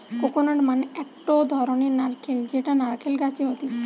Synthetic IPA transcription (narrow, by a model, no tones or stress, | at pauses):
kokonaʈmaneɛk̚ʈod̪ʱɔɾoneɾnaɾkʰeld͡ʑeʈanaɾkʰelɡat͡ɕʰiɦot̪i